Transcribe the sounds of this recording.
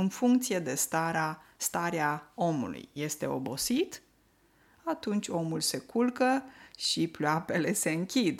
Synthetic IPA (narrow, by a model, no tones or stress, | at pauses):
ɨnfuŋkt̪sije̞d̪e̞st̪aɾast̪aɾeao̞mṵlṵjːe̞st̪e̞o̞̰bo̞sit̪ | at̪unt͡ʃʲo̞mulse̞kulkəʃiploape̞le̞se̞ɨŋkʲid̪